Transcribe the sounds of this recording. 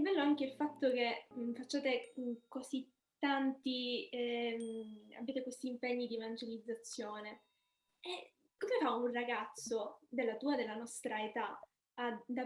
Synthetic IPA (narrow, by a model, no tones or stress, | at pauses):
ɛbːɛlːoaŋkeilfat̪ːokem̩fat͡ʃːaːt̪ekozi | t̪ːant̪i | a̰bːjaːt̪ekwest̪iːmpeɲːid̪ievand͡ʒelid̪zːat̪sːjoːne | ɛ | kozafaunraɡat̪sːod̪elːat̪uːad̪elːanɔst̪ɾaet̪aː | d̪a